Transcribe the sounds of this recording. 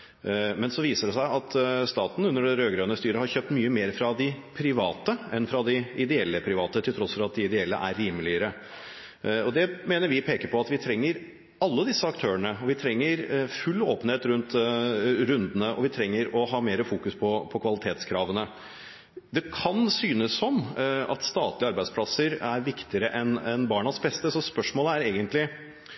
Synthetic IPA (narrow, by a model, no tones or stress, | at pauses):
mɛnsɔʋiːsəɖɛsæɪɑt̪st̪ɑːt̪n̩ʉnːəɖɛɾøːɡɾøːənəst̪yːɾəhɑɾçøːp̚t̪myːəmeːɾfɾɑd̪ɪpʰɾɪʋɑːt̪əɛnfɾɑd̪ɪɪd̪ɛɛlːəpʰɾɪʋɑːt̪ət̪ʰɪlt̪ʰɾɔsfɔɾɑt̪̚d̪ɪɪd̪ɛɛlːə̰ʔæɾːiːməlɪəɾə | ɔd̪ɛmeːnəɾʋɪpʰeːkəpɔɑt̪ʋɪt̪ʰɾɛŋːəɾ | ɑlːəd̪ɪsːəɑkt̪ʰøːəɳəɔʋɪt̪ʰɾɛŋːəɾfʉlːoːpənheːt̪ɾʉnt̪ | ɾʉnd̪ənəʔɔ̰ʋɪt̪ʰɾɛŋːəɾɔɦɑːmeːɾəfuːkʉspʰɔpʰɔkʰʋɑlɪt̪ʰeːt̪skʰɾɑːʋənə | d̪ɛkʰɑnsyːnəsːɔmɑ̰t̪st̪ɑːt̪lɪəɑɾbæɪd̪spʰlɑsəɾæɾʋɪkt̪ɪəɾəʔɛnɛnbɑːɳɑsbɛst̪əsɔspœʂmoːləæɾeːɡənt̪lɪ